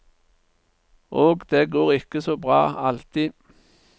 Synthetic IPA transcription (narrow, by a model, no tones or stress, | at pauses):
ʔoːɡd̪̥eːɡoːʁɪkːəsoːbʁɑ̰ːɑlt̪iː